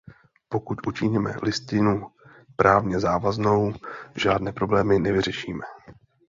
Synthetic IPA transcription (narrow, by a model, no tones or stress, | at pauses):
po̞kuc̪ʔut͡ʃɪɲɛmɛ̰lɪst̪ɪnu | pɾʔaːvɲɛzaːvazno̞wʒaːdnɛːpɾo̞blɛːmɪnɛvɪr̝ɛʃiːmɛ